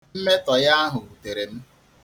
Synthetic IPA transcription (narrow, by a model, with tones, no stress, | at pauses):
m̩˦me˦tɔ˨ja˦a˦ɦʊ˨u˨te˨ɾe˨m̩˦